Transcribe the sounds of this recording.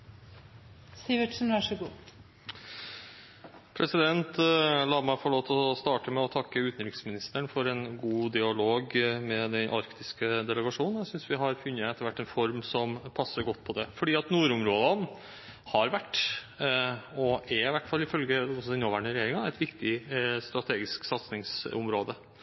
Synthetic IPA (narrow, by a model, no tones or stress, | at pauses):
siʋɪʈʂn̩ʋɑʂəɡuː | pʰɾʔɛsɪd̪ɛnt̪lɑːmæɪfɔɭoːt̪ʰɔst̪ɑːʈəmɛɔt̪ʰɑkːəʉːt̪nɾɪksmɪnɪst̪əɳfɔɾɛnɡuːd̪ɪɑloːɡmɛd̪ɛnʔɑ̰ɾkt̪ɪskəd̪ɛlɛɡɑʂuːnnjæɪsʏnsʋɪɦɑɾfʉnːəɛt̪ːəʋæʈːɛnfɔɾmsɔmpʰɑsːəɾɡɔt̪ːpʰɔd̪ɛfɔɖiːɑt̪nuːɾʊmɾoːd̪ɑn | hɑɾʋæʈː | ɔɛɾɪʋæʈːfɑlːɪfœlɡəɔsɔɪnːɔʋæɳəɾɛjeːɾɪŋɑɛɪt̪ʋɪkt̪ɪst̪ɾɑt̪ʰeːɡɪsksɑt̪snɪŋsʊmɾoːd̪ə